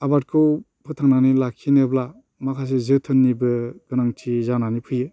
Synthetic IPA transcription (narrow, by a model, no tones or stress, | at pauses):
abat̚kʰɯw | pʰɯtʰaŋnanilakʰːinɯbla | makʰas̬ezɯtʰɯnːibɯɡ̥ɯnaŋtʰizananipʰɯjɯ